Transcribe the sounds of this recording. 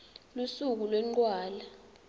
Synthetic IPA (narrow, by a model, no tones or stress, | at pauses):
lusuk̬ulwɛŋ͡ǃwaːla